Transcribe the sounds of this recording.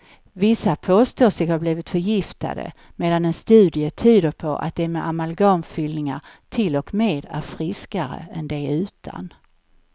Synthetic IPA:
vɪsːapʰoːst̪oːsɪɡhaɾbliːvɪt̪fœɾjɪft̪a̰d̪ə̰meːd̪anɛnst̪ʉ̟ːd̪ɪət̪ʰyːd̪əɾpʰɔʔa̰t̪̚d̪ɛmɛʔamalɡɑːnfʏlnɪŋat̪ʰɪlɔkmeːd̪æ̰ɾfɾɪskaɾə̰ɛnd̪ɛʉ̟ːt̪ʰa̰n

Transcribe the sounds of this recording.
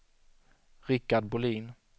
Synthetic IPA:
ɾɪkːaɖbʊliːn

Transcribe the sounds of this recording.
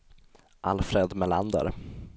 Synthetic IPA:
ʔalfɾed̪mɛla̰nd̪ə̰ɾ

